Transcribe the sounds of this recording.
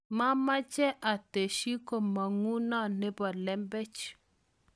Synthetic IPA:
ma˦ma˦t͡ʃɛ˦ʔa˨te˨ʃi˦ko˨ma˨ŋu˦na˦nɛ˦ba˨lɛ˦mbɛ˦t͡ʃ

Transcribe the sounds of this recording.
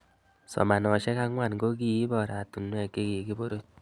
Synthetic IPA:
sɔ̰˨ma˨nɔ˨ʃɛ˦ka˦ŋwa˨nɡo˦k̬i˨i˦bɔ˨ɾa˨tu˨nwɛ˦˨ki˦ki˨ki˦bo˦ɾo˦t̚

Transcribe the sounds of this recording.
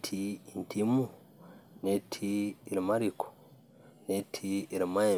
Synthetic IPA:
tʰiintʰimu˨ | ne˦tʰiː˦˨ɾi˨ma˦ɾikʰo̥ | ne˦tʰiː˦˨ɾima˦e˨

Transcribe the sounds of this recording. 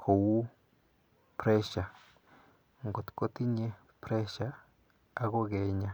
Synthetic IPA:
kʰo˨wu˦ | pɾe˦ʃa˨ | ŋɡo˨t̪ko˦t̪i˦ɲe˦ | pɾe˦ʃaː˨˦ | ɡo˦ɡe˨ɲa˨

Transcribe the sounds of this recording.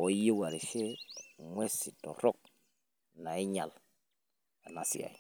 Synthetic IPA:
o˨˦ji˦wa˨ɾi˨ʃe˦mwe˦si˨to̰˨ɾo˦k̚ | na˨i˦ɲa̰˨l | a˨na˨sḭ˦ja̰˨i˨

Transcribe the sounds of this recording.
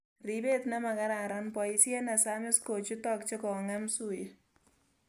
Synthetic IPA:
ribe˦t̪na˦ma˨ka˦ɾa˨ɾanpɔ˨isjɛ˦na˨sa˦mɪ˦sko˨t͡ʃu˦tɔk̚t͡ʃe˦kɔ˨ŋa˦msu˨je

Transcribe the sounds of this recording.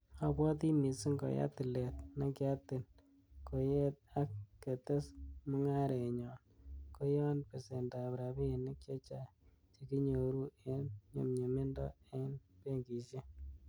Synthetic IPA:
a˨bwɔ˦t̪i˦mi˨sɪ˦ŋɡo̰˨ja̰˦t̪ɪ˨le˨tna˦kja˦tɪ˨n | ko˨je˦t̪̚a˦kːe˨te˦smʊ˦ŋa˦ɾe˨ɲɔ˨nko˦jɔ˦npe˨se˨nda˨bɾa˨bi˦˨nɪ˦kt͡ʃe˦t͡ʃa˦ | t͡ʃe˨ki˦ɲo˨ɾu˦e˦nɲo̰˨mɲe˨me˦ndɔ̰˦e˦npe˦ŋɡi˨ʃe˦

